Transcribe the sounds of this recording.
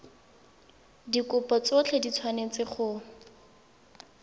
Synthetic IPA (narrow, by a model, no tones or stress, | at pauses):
dikʊpɔt͡sʊt͡ɬʰedit͡sʰwanet͡sɪχʊ